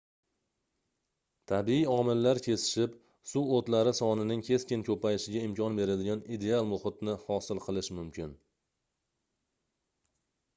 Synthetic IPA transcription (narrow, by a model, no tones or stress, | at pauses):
t̪ʰabɪiɒmɪlːaɾkʲʰe̞sɪ̥ʃɪp | suot̪laɾɪsɒnɪnɪŋkʲʰe̞skʲɪnkʰɵpajɪʃɪɡʲaɪmkʲʰɒnbe̞ɾad̪ɪɡʲanid̪e̞alˠmʊχɪt̪nɪhɒsɪlˠqʰɨlˠɪʃmʊmkʲɪn